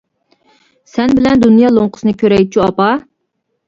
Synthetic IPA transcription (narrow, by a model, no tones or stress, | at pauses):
sɛnbɪlɛnd̪unjɑlˠoŋqʰʊ̥sɨnɨkʲʰøɾɛjd̪̚t͡ʃʰyɑpɑ